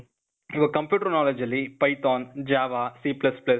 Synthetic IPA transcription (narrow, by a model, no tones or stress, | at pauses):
iʋɐkɐmpjuːʈəɾnaːlɐd͡ʒɐlːipɐjt̪ɔːnd͡ʒaːʋaːsiːplɐsplɐ